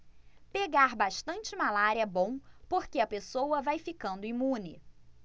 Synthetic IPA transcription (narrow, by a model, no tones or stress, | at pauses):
peɡaɾbaʃt̪ɐ̃nt͡ʃɪmalaɾiɐbõw̃poɾkeɐpesowɐvajfikɐ̃nd̪ʊimũnɪ̰